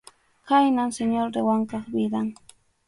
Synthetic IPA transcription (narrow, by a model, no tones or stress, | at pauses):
kajnamseɲolɾewaŋkɑχbɪd̪aŋ